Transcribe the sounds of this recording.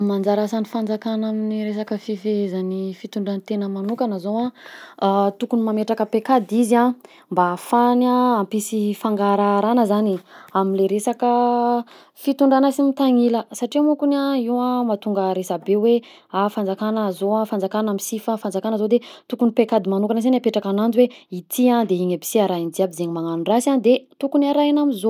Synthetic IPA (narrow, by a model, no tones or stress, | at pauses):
mand͡zaɾasanifand͡zakanaminiɾesakəfifezanifit̪uɳɖ͡ʐant̪enəmanukanəzowã | t̪ukunimameʈ͡ʂakəpekad̪izia | mbafanaampisifaŋɡaɾaɾanəzaniaminleɾesakə | fit̪uɳɖ͡ʐanasimit̪aŋiləsaʈ͡ʂimukunaiwãmat̪uŋɡəɾesabewe | afand͡zakanəzoãfand͡zakanamisifafand͡zakanəzod̪et̪ukunipekad̪imanukanəsanapeʈ͡ʂakanand͡ziweit̪ʰiand̪eiɲabi̥siaɾaind͡ziabizeɲimaŋanurasand̪et̪ukunaɾajanamizo